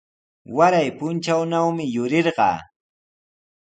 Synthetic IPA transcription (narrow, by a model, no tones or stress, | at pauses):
waɾajpʊnt͡ʃawnawmɪjʊɾeɾɢɑ̰ː